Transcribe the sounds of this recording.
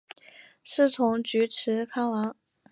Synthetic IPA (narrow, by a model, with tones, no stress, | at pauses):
ʂɻ̩˥˩t͡sʰʊ˧˥ŋt͡ɕy˧˥ʈ͡ʂʰɻ̩˧˥kʰa˥ŋlɑ˧˥ŋ